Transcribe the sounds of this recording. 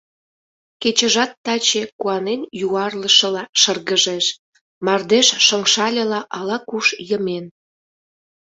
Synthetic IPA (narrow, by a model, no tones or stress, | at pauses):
ket͡ɕə̆ʒɑt̪ːɑt͡ɕekuɑnenjuɑrləʃə̆lɑʃərɣəʒeʃ | mɑrd̪eʃʃəŋʃɑlʲelɑʔɑlɑkuʃjəmen